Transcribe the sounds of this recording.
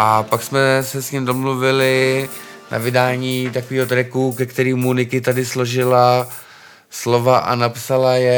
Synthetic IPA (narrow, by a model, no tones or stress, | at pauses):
ʔapaksmɛsɛsɲimdo̞mluvɪlɪ | na̰vɪdaːɲiːt̪akoviːɦo̞t̪ɾɛkukɛkt̪ɛɾiːmːunɪkɪt̪adɪslo̞ʒɪla | slo̞vaʔa̰napsalajɛ